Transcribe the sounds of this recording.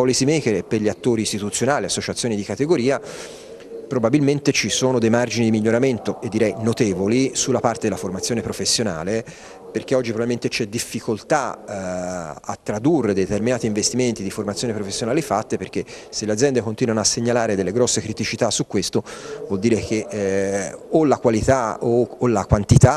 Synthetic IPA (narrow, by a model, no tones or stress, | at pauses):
ɔlisimejkelepːerʎiat̪ːoːɾiːst̪it̪ut̪sːjonaːliasːot͡ʃat̪sːjoːnid̪ikat̪eɡoɾiːa | pɾobabilment̪et͡ʃisoːnod̪ejmard͡ʒinid̪imiʎːoɾament̪oed̪ːiɾɛjnot̪eːvolisulːapaɾt̪ed̪elaformat̪sːjoːnepɾofesːjona̰ːle | perkeɔd͡ʒːipɾobaliment̪et͡ʃɛd̪ːifːikolt̪a | a̰t̪ːɾad̪urːed̪et̪erminaːt̪iːɱvest̪iment̪id̪iformat̪sjoːnipɾofesːjonaːlifat̪ːeperk̟eselead̪zjɛnd̪ekont̪iːnwanoasːeɲːalaːɾed̪elːeɡɾɔsːekɾit̪it͡ʃit̪asːukːwest̪ovɔld̪iːɾekeʔ | olakwalit̪aoːlakwant̪it̪a